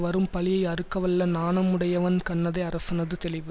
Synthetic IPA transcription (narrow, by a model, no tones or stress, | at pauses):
ʋɐɾɯmpɐlɪjɐɪɐɾɯkːɐʋɐlːɐnaːnɐmɯɽɐjɐʋɐnkɐɳːɐðɐɪɐɾɐsɐnɐðɯt̪ɛlɪʋɯ